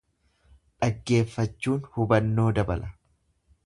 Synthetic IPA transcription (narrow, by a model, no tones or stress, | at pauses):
ᶑɐɡːe̞ːfːɐt͡ʃːuːnhʊbɐnːo̞ːd̪ɐbɐlʔɐ̥